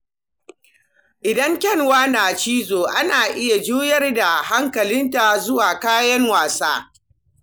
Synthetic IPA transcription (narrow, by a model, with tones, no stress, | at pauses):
ʔɪ˨dɐ˦ŋkʲɛ˦˨nwaː˦naː˨t͡ʃiː˦zoː˨ʔa˦naː˨ʔɪ˦ja˨d͡ʒuː˦jɐ˦rda˨ha˦ŋkɐ˨lɪ˦nta˨zʊ˦waː˨kaː˦jɐ˦ŋwaː˨saː˦